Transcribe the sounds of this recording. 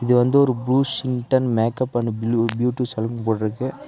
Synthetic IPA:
ɪðɯʋɐnd̪ɯɔɾɯbluːsɪŋʈɐnmeːkɐpːɐɳːɯbbjuːʈːisɐlmpoːɽɪɾɯkːɯ

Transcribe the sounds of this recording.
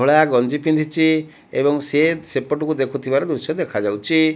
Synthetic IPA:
oɭaɡɔnd͡ʒipind̪ʱit͡ʃʰi | ebɔŋsesepɔʈukud̪ekʰut̪ʰibaɾɔd̪usjɔd̪ekʰad͡ʒawt͡ʃʰi

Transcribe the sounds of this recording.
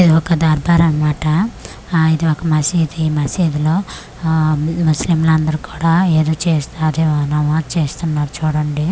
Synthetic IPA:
id̪iɔkɐd̪aːɾbʱaːɾɐnɐmaːʈɐ | id̪iɔkɐmɐsid̪imɐsiːd̪iloː | muslimlɐnd̪ɐɾuku̥ːɽaːeːd̪oːt͡ʃeːst̪ɐd̪enɐʋaːt͡ʃe̞ːst̪unːaːɾut͡ʃuːɽɐɳɖi

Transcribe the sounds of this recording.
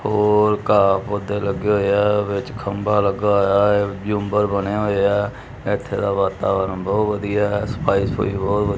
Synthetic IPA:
hoːɾkaːpʊd̪eːləɡeːɦoːeɛʋɪt͡ʃkʰəmbaːləɡaːɦoːjaːd͡ʒũːmbəɾbəneːɦoːeɛː | ɪt̪ʰːeːd̪aːʋaːt̪aːʋəɾənbɔːt̪ʋəd̪ijaɛspaːiso̰ḭːbɔːt̪ʋəd̪

